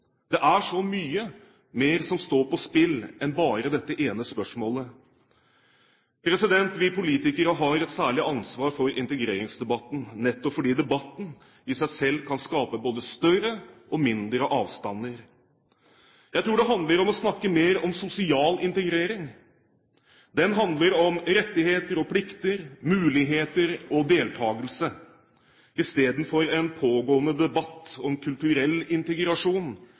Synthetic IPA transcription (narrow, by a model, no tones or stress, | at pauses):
d̪̥ɛʔæʂɔmyːə | meːɾsɔmst̪oːpɔspɪlːɛnbɑːɾəd̪ɛt̪ːəʔeːnəspœʂmoːlə | pʰɾɛsɪd̪ɛnt̪ʋɪpʊliːt̪ɪkəɾəɦɑɾɛt̪sæːɭɪʔɑnsʋɑːɾfɔɾɪnt̪əɡɾeːɾɪŋsd̪ɛbɑt̪ːn̩nɛt̪ːɔpfɔɖiːd̪ɛbɑt̪ːn̩ | ɪsæɪsɛlːkʰɑnskɑːpəboːd̪əst̪œrəʔɔmɪnd̪ɾəʔɑːʋst̪ɑnːəɾ | jæɪt̪ʰɾuːɖɛɦɑnd̪ləɾɔmɔsnɑkːəmeːɾɔmsʊsɪɑːlɪnt̪əɡɾeːɾɪŋ | d̪ɛnɦɑnd̪ləɾɔmɾɛt̪ːɪheːt̪əɾɔpʰlɪkt̪əɾmʉːlɪɦeːt̪əɾɔd̪eːlt̪ʰɑːɡəlsə | ɪst̪eːd̪n̩fɔɾɛnpʰoːɡoːənəd̪ɛbɑt̪ːɔmkʰʉlt̪ʉɾɛlːɪnt̪əɡɾɑʂuːn